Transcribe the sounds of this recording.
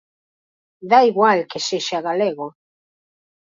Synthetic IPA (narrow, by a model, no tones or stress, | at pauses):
d̪aiɣwalkeseʃaɣaleɣo